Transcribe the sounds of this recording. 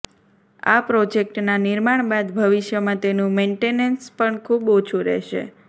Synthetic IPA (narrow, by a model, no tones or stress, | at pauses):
a̰pɾɔd͡ʒek̚ʈnanɪɾmaɳ̃bad̪bʱəʋiʃjəmãt̪enũmeɳʈenənspəɳkʰubot͡ʃʰuɾɛ̰ʃḛ